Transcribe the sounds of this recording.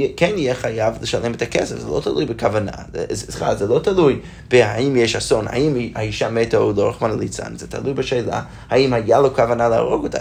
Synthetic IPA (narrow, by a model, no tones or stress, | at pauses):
ɛkɛnijɛχajavləʃalʔɛmɛtʰakʰɛ̰sɛfz̥ɛ̰lo̰ʊtʰalˠujbəkʰavana̰zɛ̰zχazɛlˠoʊtʰalˠuj | b̥ɪhaimjeʃhasonha̰imaiʃametaulˠoɾaχmanlˠit͡sa̰nzɛtʰa̰lˠujbɪʃeɪlˠa̰ | haimhajalˠokavanalɪa̰ʁoɡʊt